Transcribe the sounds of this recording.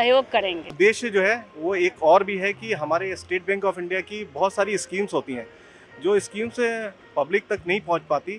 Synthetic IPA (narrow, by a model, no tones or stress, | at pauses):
ɐjoːɡkɐɾẽːŋɡed̪eːʃd͡ʒoːɦɛʋoeːkɔːɾbʱiɦɛkiɦɐmaːɾesʈeːʈ̚bɛ̃ːŋkɔːfɪ̃ɳɖijakibɔɦʊt̪saːɾiɪskiːmzɦoːt̪iɦɛ̃ː | d͡ʒoːɪskiːmse | pɐblɪk̚t̪ɐknɐɦĩpɐ̃ɦʊ̃t͡ʃpaːt̪i